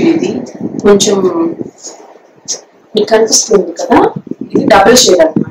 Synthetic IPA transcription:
id̪iko̞ɲt͡ʃem | miːkɐnipist̪uːnd̪ikɐd̪aːid̪iɖ̪ɐbɐlt͡ʃɛːɾɐl

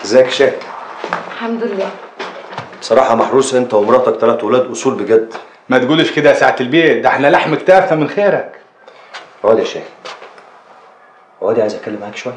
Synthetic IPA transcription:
ezæːkʃæːk | lħamd̪ʊelːæː | besˤɑɾˤɑːħɑmɑħɾuːsʔent̪æwemɾˤɑʔt̪ɑkt̪ælæːt̪welæːd̪ʔosˤuːlbeɡæd̪ː | mæt̪ɡuːlʃked̪æsaʕat̪elbeːd̪æħnælaħmekt̪æːfæmenxeːɾæk | ʕoːd̪iæʃæːk | ʕæːd̪iʕajzʔækælːemʕaʕæːkʃowæjːæ

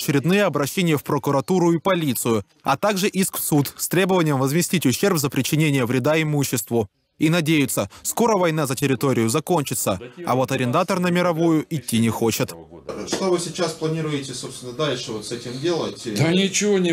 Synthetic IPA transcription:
t͡ɕɪɾʲɪd̪nɨjəɐbɾɐɕːenʲɪjəfpɾəkʊɾɐt̪uɾʊipɐlʲit̪sɨjʊ | ɐt̪aɡʐɨʔiskfsut̪st̪ɾʲe̞bəvənʲɪjəmvəzmʲɪsʲtʲitʲʊɕːe̞rpzəpɾʲɪt͡ɕːɪnʲenʲɪjəvɾʲɪd̪aɪmuɕːɪst̪vʊ | inɐdʲejʊt̪səsko̞ɾəvɐjnazətʲɪɾʲɪt̪o̞ɾʲɪjʊzɐko̞nʲt͡ɕɪt̪səɐ̰vo̞t̪ɐɾʲɪnd̪at̪ərnəmʲɪɾɐvujʊʔɪtʲːinʲɪxo̞t͡ɕɪt̪ʂt̪ovɨsʲɪt͡ɕasplˠɐnʲiɾʊjɪtʲɪsopst̪ʲɪnəd̪alʲʂɨvot̪sɛtʲɪmdʲe̞lˠətʲd̪anʲɪt͡ɕɪvonʲɪ

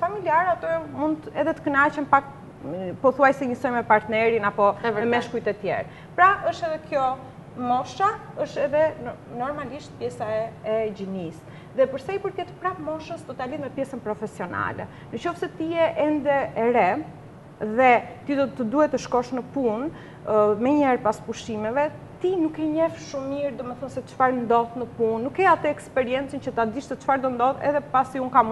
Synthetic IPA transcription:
familiaɾat̪əmund̪ɛðɛt̪ə̥kənat͡ɕɛnpak | pɔθuajsɛɲisɔjmɛpaɾt̪nɛɾinapɔɛmɛʃkujt̪ɛt̪jɛ̰ɾ | pɾaʔəʃt̪ɛðɛkjɔ | mɔfʃaəʃt̪ɛðɛnɔɾmaliʃt̪̚pjɛsaɛɛd͡ʑinis | ðɛpəɾsajpəɾkɛt̪pɾamɔʃəst̪ɔt̪alit̪mɛpjɛsənpɾɔfɛsiɔna̰lɛ̰ | nət͡ʃɔfsɛt̪iɛʔɛnd̪ɛɛɾɛ | ðɛt̪id̪ɔt̪əd̪uhɛt̪əʃkɔʃnəpun | mɛɲɛɾpaspuʃimɛvɛ | t̪inukɛɲɛfʃumːiɾd̪ɔmɛθɔnsɛət͡ʃfaɾnd̪ɔðnəpunːukːɛat̪əɛkspɛɾiɛnt͡sint͡ɕət̪ad̪iʃt̪ɛt͡ʃfaɾd̪ənd̪ɔðɛ̰ðɛpasiuŋkam

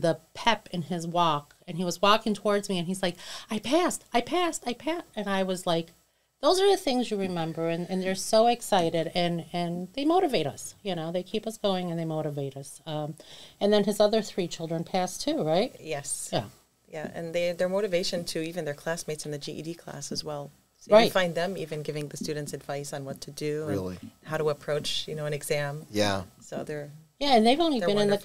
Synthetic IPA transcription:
ðəpʰɛpɨ̃nɪzwɔk | ɨ̃niwʌzwɔkɪ̃ŋtʰəwɔɹdzmiɨ̃nizlaɪkaɪpʰæstaɪpʰæstaɪpʰæstɨ̃naɪwʌzlaɪk | ðoʊzə˞ðɨθɪ̃ŋzjɨɹɨmɛ̃mbə˞ɨ̃nɨ̃nðə˞soʊɨksaɪɾɪɾɨ̃nɨ̃nðeɪmoʊɾɨveɪɾʌ̰sjɨñoʊðeɪkʰipʌsɡ̥oʊɪ̃ŋɨ̃nðeɪmoʊɾɨveɪɾʌsʌ̃mɨ̃nðɨ̃nɨzʌðə˞θɹit͡ʃʰɪlˠdɹɨ̃npʰæstʰʉɹaɪt̚jɛsjæ | jæɨ̰̃nðeðə˞moʊɾɨveɪʃɨ̃ntʰɨivɨ̃nðə˞kʰl̥æsmeɪtsn̩ðɨd͡ʒiʔḭdikʰl̥æ̰sɨzwɛlˠ | soʊɹaɪtfãɪ̃nðɨ̃mivɨ̃nɡɪvɪ̃ŋðɨstʉdⁿn̩tsɨdvaɪsn̩wʌtʰɨdʉɪ̰lˠḭhaʊɾəəpʰɹ̥oʊt͡ʃjɨnoʊɨ̃nɨɡzæ̃mjæsoʊðə˞jæɨ̃nðeɪvõʊ̃nlibɨ̃nɨ̃nðɨ

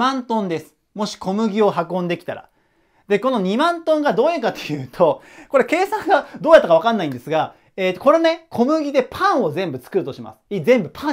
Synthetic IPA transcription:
ãnt̪õ̞nd̪e̞sɨ̥ | mo̞ɕi̥kʰo̞mɯ̟ɡʲio̞ɦakõnd̪e̞kʲi̥t̪aɾa̰ | d̪e̞ko̞no̞ɲ̟imãnt̪õ̞ŋɡad̪o̞ːjakat̪ojɯ̟ːt̪ʰo̞ | ko̞ɾe̞ke̞ːsãŋɡad̪o̞ːjat̪ːakaβakãnːaĩnd̪e̞sɨɡa | eːt̪ːoko̞ɾe̞nekʰo̞mɯ̟ɡʲid̪e̞pʰãɰ̃o̞zẽ̞mbɯ̟t͡sɨ̥kɯ̟ɾɯ̟t̪o̞ɕima̰sɨ̥izẽ̞mbɯ̟pʰã

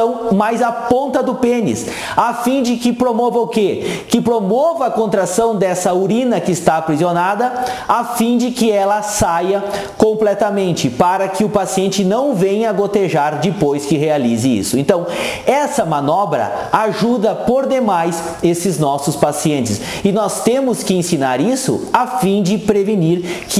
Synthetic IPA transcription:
ɐ̃w̃majzapõnt̪ɐd̪ʊpẽnɪ̰s | afĩd͡ʒɪkɪpɾomɔvɐʊkekɪpɾomɔvɐakõnt̪ɾasɐ̃w̃d̪ɛsɐuɾĩnɐkɪːst̪apɾizionad̪ɐafĩd͡ʒɪkɪɛlɐsajɐ | kõmplɛt̪ɐmẽnt͡ʃɪpaɾɐkɪʊpasiẽnt͡ʃɪnɐ̃w̃vẽj̃ɐɡot̪eʒaɾd͡ʒɪpojskɪɦealizɪḭsʊẽnt̪ɐ̃w̃ɛsɐmɐ̃nɔbɾɐ̰ | aʒud̪ɐpoɾd̪emajs | esɪznɔsʊspasiẽnt͡ʃɪs | ɪnɔst̪ẽmʊskɪẽsinaɾisʊ̰afĩd͡ʒɪpɾeviniɾkɪ

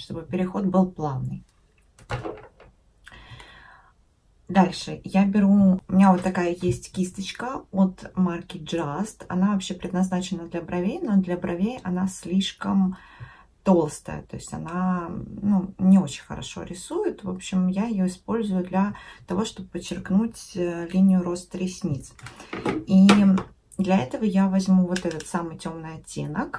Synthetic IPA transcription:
ʂt̪o̞bɨpʲɪɾʲɪxo̞t̪̚bɨlˠplˠavnːɨj | d̪alʲʂɨjabʲɪɾuʊmʲɪnʲavot̪ːɐkajəjesʲtʲkʲist̪ət͡ɕkəot̪markʲɪd͡ʐast̪ɐ̰navɐpɕːepɾʲɪd̪nɐznat͡ɕɪnːəd̪lʲɐbɾɐvʲejnod̪lʲɐbɾʔɐvʲejɐnasʲlʲiʂkəm | t̪o̞lˠst̪ə̰jə̰t̪o̞̰ɪsʲtʲɐ̰nanunʲɪo̞t͡ɕɪ̥nʲxə̰ɾɐ̰ʂo̞̰ɾʲɪsujɪt̪vo̞pɕːɪmjaɪjoɪspo̞lʲzʊjʊd̪lʲɐt̪ɐvo̞ʂt̪o̞bəpət͡ɕːɪrknutʲlʲinʲɪjʊɾo̞st̪ɾʲɪsʲnʲit̪s | i | d̪lʲɐɛt̪əvəjavɐzʲmuvo̞t̪ɛt̪ət̪samɨjtʲo̞mnɨjɐtʲːenək

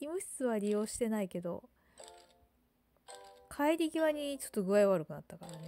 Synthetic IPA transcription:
imɯ̟çi̥t͡sɨβaɾʲijo̞ːɕi̥t̪e̞naike̞d̪o̞̰ | kʰaiɾʲiɡʲiβaɲ̟it͡ɕo̞̥t̪ːoɡɯ̟aiβaɾɯ̟kɯ̟nat̪ːakaɾane̞

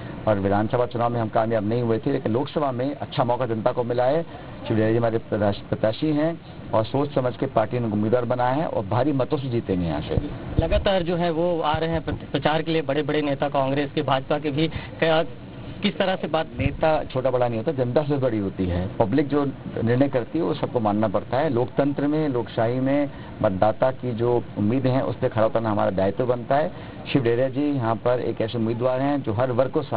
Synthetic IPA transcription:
ɔːɾʋɪd̪ʱaːnsəbʱat͡ʃʊnaːʋmẽɦɐmkaːmjaːbnɐɦĩɦʊet̪ʰeleːkɪnloːksɐbʱamẽʔɐtːʃʰamɔːkad͡ʒɐ̃nt̪akomɪlaːe | ʃɪʋaːd͡ʒiɦɐmaːɾep̪ːpɾɐt̪jaːʃiɦɛ̃ | ɔːɾsoːt͡ʃsɐməd͡ʒʱkepaːɾʈineʊmːiːd̪ʋwaːɾbɐnaːɦɛ̰̃ʔɔ̰ːɾbʱaːɾimɐt̪õs̬ed͡ʒiːt̪ẽːŋɡẽjã̰ːʃḛlɐɡaːt̪aːɾd͡ʒoːɦɛ̃ʋoaːɾɦeɦɛ̃pɾɐt͡ʃaːɾkeliebɐɽebɐɽeneːt̪akãːŋɡɾeːskibʱaːd͡ʒpakebʱikː | kɪst̪ɐɾasebaːt̪neːt̪at͡ʃʰoːʈabɐɽanəɐɦĩɦoːt̪aɛd͡ʒɪ̃nt̪as̬ebɐɽiɦoːt̪iɦɛːpɐblɪk̚d͡ʒoːnɪɾnəjkɐɾt̪iɦɛʋosɐb̚komaːnːapɐɽt̪aɦɛːloːkt̪ɐ̃nt̪ɾəmẽloːkʃaːɦimẽ | mɐt̪̚d̪aːt̪akid͡ʒoːʊmːiːd̪ɦɛ̃ʔʊ̰spekʰɐɾaːbt̪ənaɦɐma̰ːɾad̪a̰ːɪt̪bɐnt̪aɦɛː | ʃɪʋɖeːɾijad͡ʒiːjɐɦãpɐɾḛːkɛːseʊmiːd̪ʋaːɾɦɛ̃d͡ʒoːɦɐɾʋɐɾkkosa

